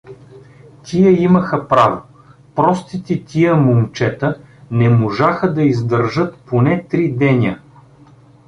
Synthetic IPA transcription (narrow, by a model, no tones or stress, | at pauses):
t̪ʲʰiəiməxəpɾavo | pɾɔst̪it̪it̪ʲʰijəmomt͡ʃɛt̪ə | nɛmoʒaxəd̪ɐizd̪ɐɾʒɤt̪ponɛt̪ɾid̪ɛnʲə